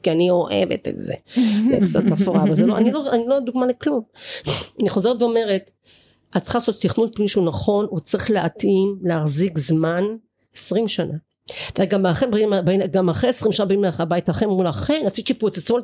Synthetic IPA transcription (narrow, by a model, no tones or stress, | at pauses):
kianio̞ʔḛvḛtḛtz̥ḛlḛkt͡sa̰t̪afoʁavazeloʔaniloanilod̪uɡmaleklum | aniχo̞zeetveo̞me̞ʁet | att͡sχalasottːiχnud̚piiʃunaχo̞nut͡sʁiχleʔat̪imleaχzikzman | esʁimʃanʔa | t̪eɡamaχenbmabaiɡamaχeesʁimʃanabaimleaabaitaχemmulaχenasit͡ʃipuetat͡smo